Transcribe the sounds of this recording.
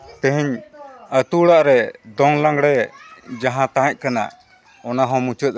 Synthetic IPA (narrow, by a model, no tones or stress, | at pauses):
t̪ə̃ɦɛɲət̪uɽaʔɾɛd̪ɔŋlãŋɡɽɛd͡ʒaɦãt̪ãɛc̚ˀkana̰ | ɔnaɦɔ̃mut͡ʃət̪̚